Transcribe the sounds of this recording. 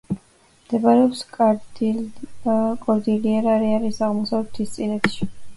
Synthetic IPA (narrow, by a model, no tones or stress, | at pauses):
md̪̥ɛbaɾɛɔpsk̪ʼ | kʼɔɾd̪iliɛɾaɾiaɾisaʁmɔsavlɛt̪ʰist̪sʼinɛt̪ʃi